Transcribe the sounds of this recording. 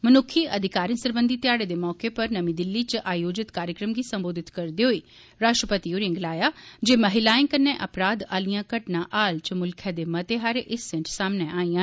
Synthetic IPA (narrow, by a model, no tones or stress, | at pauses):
mənʊkʰiːʔəd̪ʱɪkaːɾiəsəɾbənd̪iːt̪ɪjaːɽeːd̪eːmɔːkepəɾnəmĩːd̪ɪlːiːt͡ʃʔaːjoːd͡ʒɪt̪kaːɾjəkɾəmɡiːsə̃mboːd̪ʱɪt̪kəɾd̪eːɦoiː | ɾaːʃʈɾəpət̪ioːɾɪ̃ŋɡlaːjaːd͡ʒeːməɦɪlaːɪ̃ːŋkənːeːʔəpɾaːd̪aːlijãːkəʈnãːʔaːlt͡ʃəmʊlkʰɛːd̪eːmət̪eːɦaːɾeʔɪsːɛ̃ɳʈsaːmneːaːiːãː